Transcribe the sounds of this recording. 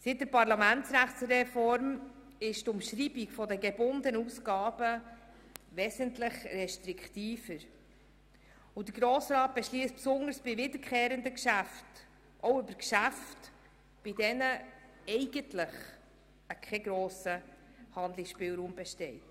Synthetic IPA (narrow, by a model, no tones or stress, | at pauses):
sit̚dəɾpɑɾlɑmæntsɾæχsɾɛfɔɾm | ɪʃtʊmʃɾibiɡfɔdəɡɛbʊndənusɡɑːbə | ʋɛsəntlɪχɾɛʃtɾikχtiːfəɾ | ʊd̥̪əɡɾoːsɾɑːt̚b̥ɛʃliːst̚psʊŋəɾsb̥ɪvɪdəɾkχeːɾəndəkʃæft | ʔoʊʏbəɾkʃæft | b̥ɪdɛnə | ɛɪɡ̥əntlɪχ | əkʰχɛɡɾoːsə | hɑnd̪lɪksʃpɪːlɾuːmbɛʃtɛɪt